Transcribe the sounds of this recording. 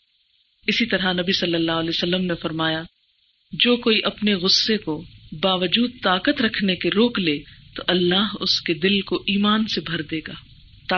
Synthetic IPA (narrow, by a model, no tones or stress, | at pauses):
ɪsit̪ɐɾanɐbisɐlːəlːaːɦlesɐlːəmnefɐɾmaːja | d͡ʒoːkoːiʔɐpneɣʊsːekobaːʋəd͡ʒuːd̪̚t̪aːkət̪ɾɐkʰnekeɾoːkleːt̪oʔɐlːaːɦʊsked̪ɪlkoʔiːmaːnsebʱɐɾd̪eːɡaː | t̪aː